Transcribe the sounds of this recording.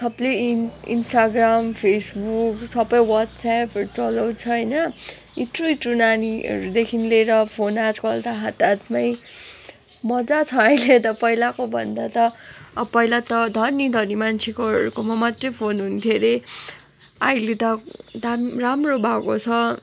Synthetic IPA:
sʌbleḭnsʈaɡrampʰesbuksʌbʌjwat̪sapɾut͡sʌlʌw̃t͡sʰʌɦʌjnʌ | it̪ruʈrunaniʌ̰ɾud̪ekʰinleɾʌpʰonad͡zkʌlt̪aɦat̪at̪maj | mʌd͡zat͡sʰʌajlet̪ʌpʌilakobʱʌ̰nd̪at̪ʌpʌjlat̪ʌd̪ʱʌnid̪ʱʌrnimant͡sʰekoɾukomamat̪rʌjpʰonɦunt̪ʰjeɾe | ajlet̪ʌd̪aramrobʱakot͡sʰʌ

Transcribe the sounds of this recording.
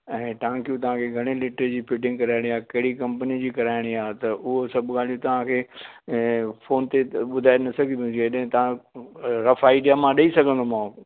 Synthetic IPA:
ɛ̃ːt̪aãŋkjũt̪̬ɐʋ̤ãkʰeɡʱɐɽ̃elɪʈəɾd͡ʑiːpɪʈɪ̃ŋɡkɐɾaːɪɽ̃iaːɦkɐɦɪɽikɐ̃mpənid͡ʑiːkɐɾaːɪɽ̃iaːɦt̪ɐʔʊɦosɐbʱɠaːl̤ijũt̪ɐʋ̤ãkʰeː | foːnt̪eɓʊd̪ʱaːenɐsɐɡʱĩd̪ũd͡ʑeɗɦɪ̃t̪ɐʋ̤ã | ɾɐfaːɪɗijamãɗɐisɐɡʱə̃nd̪omãː

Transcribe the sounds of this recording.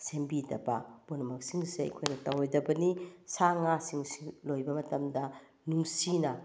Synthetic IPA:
sembidɐbɐbunɐmɐk̚siŋseɐ̰jkʰojnɐtɐwjdɐbɐnisaŋasiŋsilojbɐmɐtɐmdɐ | nuŋsinɐ

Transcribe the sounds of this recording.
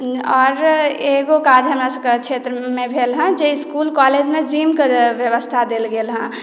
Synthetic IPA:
ɔːɾeɡokad͡ʒʱəmasəket͡ʃʰet̪ɾəmebʱelɦə̃d͡ʒeiskulkɔled͡ʒmẽd͡ʒimkebjəʋəst̪ʰad̪elɡelɦə̃

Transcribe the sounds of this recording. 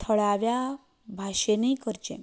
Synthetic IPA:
t̪ʰəɭaʋja | bʱaɕeniikəɾt͡ɕẽ

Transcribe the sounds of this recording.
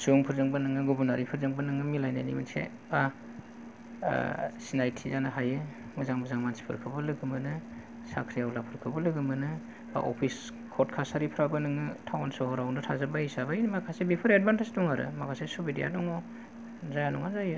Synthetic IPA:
suŋpʰɯɾzɯŋbanɯŋɯɡubunaɾipʰɯɾzɯŋbɐnɯŋɯmilajna̰jnḭbɯ̰nsḛ | ba | sinajtʰizanaɦajɯ | mɯzaŋbɯzaŋmansi̥pʰɯ̰ɾkʰɯbɐlɯɡɯmɯnɯ | sakʰɾijawlapʰɯɾkʰɯbɐlɯɡɯmɯnɯ | ba̰ʔo̰pʰis | kʰɔtkʰasaɾipʰɾabɯnɯŋɯtʰawnsɔhɔɾawnɯtʰazɯbahisabainmakʰasebipʰɯɾed̚bantestuŋaɾɯ̰makʰasesubidḭja̰dɔŋɔ | zajanɔŋazajɯ

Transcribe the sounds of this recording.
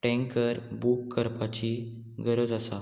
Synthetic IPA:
ʈɛ̃ŋkəɾbukːəɾpat͡ɕi | ɡəɾəd͡zəsa

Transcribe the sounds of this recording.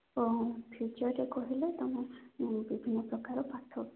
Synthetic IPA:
opʰjut͡ʃɔɾɾekɔɦilet̪amɔ̃bibʱinːɔpɾɔkaɾɔpat̪ʰɔ

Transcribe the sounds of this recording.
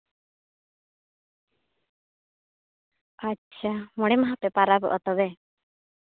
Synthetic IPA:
atːt͡ʃʰamɔɽ̃ɛmaɦapɛpaɾabɔ̰ʔɔt̪ɔbɛ

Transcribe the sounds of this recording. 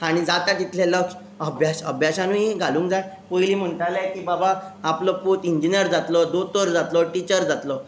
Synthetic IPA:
aɽ̃id͡zat̪at̪it̪ʰleləks | əbʱjasəbʱjaɕanũɦĩɡʱalũːŋkd͡zat̪ | pojliːm̤əɳʈ̪alajkiːbabaaplɔpuːt̪iɲd͡ʑinjəɾd͡zat̪lɔd̪ot̪oɾd͡zat̪lɔʈit͡ɕəɾd͡zat̪lɔ

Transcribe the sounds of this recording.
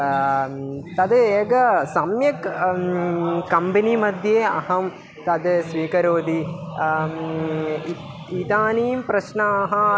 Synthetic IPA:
t̪ɐd̪eːɡɐsɐmjɐk | kɐmbinimɐd̪ʱjeːɐ̰ɦɐm | t̪ɐd̪sʋiːkɐɾoːd̪i | it̪aːniːmpɾɐʃnɐːɦɐ

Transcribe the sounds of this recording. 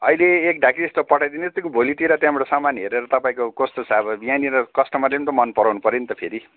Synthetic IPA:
ʌileːk̚ɖʱakiest̪opʌʈʰajd̪ined͡zʌst̪ekobʱolit̪iɾat̪jãmʌɾosamanɦeɾeɾʌt̪ʌpãĩkokost̪osʰabʌbjaniɾʌkʌsʈʌmʌrlepnt̪omʌnpʌɾawnupʌɾenit̪ʌpʰeɾi

